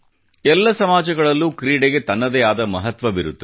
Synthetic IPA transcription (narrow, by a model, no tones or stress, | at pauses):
ɛlːɐsɐmaːd͡ʒɐɡɐɭɐlːukɾiːɽeɡe̞t̪ɐnːɐd̪ɛaːd̪ɐmɐɦɐt̪ʋɐʋiɾut̪ːu